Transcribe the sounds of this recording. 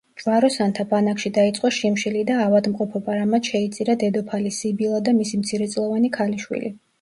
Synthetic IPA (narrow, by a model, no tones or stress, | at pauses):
d͡ʒʼvaɾɔsant̪ʰabanakʃid̪ait̪sʼqʼɔʃimʃilid̪aːvad̪mqʼɔpʰɔbʼaɾamat̪ʃɛit̪sʼiɾad̪ɛd̪ɔpʰalisibilˠad̪amisimt̪sʰiɾɛt̪sʼlˠɔvanikʰaliʃwḭlḭ